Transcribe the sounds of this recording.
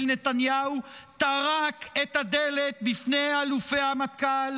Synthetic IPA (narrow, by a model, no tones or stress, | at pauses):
lnet̪anjaut̪aʁaket̪had̪elet̪̚bifnealufehamat̪kal